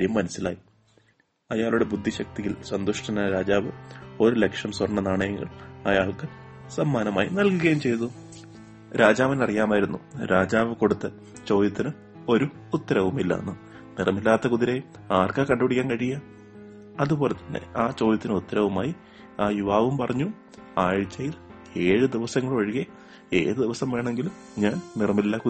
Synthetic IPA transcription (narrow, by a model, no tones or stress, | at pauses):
aɾjɐmːɐnɐsilaːji | ɐjaːɭuɽe̞bud̪ʱːiɕɐk̚t̪ijilsɐnd̪uʂʈɐnaɾaːd͡ʑaːʋɨo̞ɾulekʂɐmswɐrɳːɐnaːɳɐjɐŋɡɐ̰ɭɐjaːɭkɨ | sɐmːaːnɐmaːjinɐlkuɣɐjumt͡ɕe̞jt̪ːu | ɾʔaːd͡ʑaːʋinɐrijaːmaːjiɾunːuɾaːd͡ʑaːʋɨko̞ɽut̪ːɐ | t͡ɕo̞ːd̪jɐt̪ːinɨ | o̞ɾuːt̪ːɐɾɐʋumilːa̰ːnːɨ | nirɐmilːaːt̪ːɐkuðiɾejum | aːrkɐkɐɳɖupiɽikʲːaːnkɐɻijɐ | ɐðubo̞ːle̞t̪ːɐnːḛaːt͡ɕo̞ːd̪ɐt̪ːinɨut̪ːɐɾɐʋumaːji | aːjuʋaːʋumpɐrɐɲːu | aːɻit͡ɕːɐjil | e̞ːɻɨd̪iʋɐsɐŋːɐɭʋɐɻiɣe | e̞̰ːðɨd̪iʋɐsɐmʋe̞ːɳeŋɡilum | ɲaːnnirɐmilːaku